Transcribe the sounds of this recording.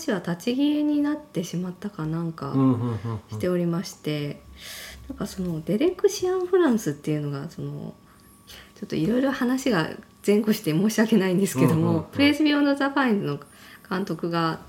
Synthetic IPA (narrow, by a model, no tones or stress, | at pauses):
aɕiβat̪at͡ɕiɡʲieɲ̟inat̪ːe̞ɕimat̪ːakanãŋka̰ | ɕi̥t̪e̞o̞ɾʲimaɕi̥t̪e̞ | nãŋkaso̞no̞d̪e̞ɾe̞kɯ̟ɕiãɰ̃ɸɯ̟ɾãɰ̃sɨt̪ːe̞iɯ̟no̞ɡaso̞no̞̰ | jat͡ɕo̞t̪ːoiɾo̞iɾo̞hanaɕiɡa̰ | z̥ẽ̞ŋko̞ɕi̥t̪e̞mo̞ːɕiake̞naĩnd̪esɨ̥ke̞d̪o̞mo̞pɯ̟ɾe̞ːsɨbʲjo̞ːnd̪ozapaĩnzɨno̞kãnt̪o̞kɯ̟ɡa